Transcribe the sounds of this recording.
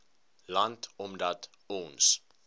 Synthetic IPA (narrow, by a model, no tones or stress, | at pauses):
lantɔmdat | ɔns